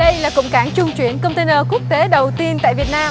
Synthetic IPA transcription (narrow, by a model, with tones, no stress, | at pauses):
ɗə˧jlaː˨˩kʊ̰˧˨ŋ͡mkaː˨˧˦nt͡ɕʊ˧ŋ͡mt͡ɕwi˧˩ənkə˧wŋ͡mt̪e˧nəː˧˩ku˦˥ək̚t̪e˨˦ɗə˨˩wt̪i˧ənt̪a̰ː˧˨vi˨˩ət̚naː˧m